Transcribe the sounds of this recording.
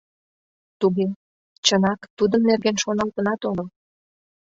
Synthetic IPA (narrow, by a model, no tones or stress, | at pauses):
t̪uɣe | t͡ɕənɑkt̪ud̪əmnerɣenʃonɑlt̪ənɑt̪oɣəl